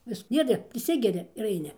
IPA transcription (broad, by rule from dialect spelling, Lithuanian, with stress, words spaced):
ˈʋʲɪs ˈdʲiɛdʲɛ pʲrʲɪˈsʲɪɡʲɛrʲɪ ɪr ɐɪˈnʲɪ